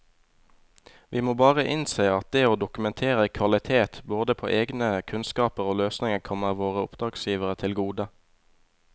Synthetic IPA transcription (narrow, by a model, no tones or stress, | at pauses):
ʋʔiːmoːbɑːʁəʔɪnseːɑt̪̚d̪eːoːd̪ʊkʉmɛnt̪ʰeːʁəkʰʋɑlɪt̪ʰeːt̪boːd̪əpʰo̰ːʔeːɡnəkʰʉnskɑːpəʁoːløːsnɪŋəkʰɔməʁʋoːʁəʊpd̪ʁɑːɡsjiːʋəʁət̪ʰɪlɡuːd̪ə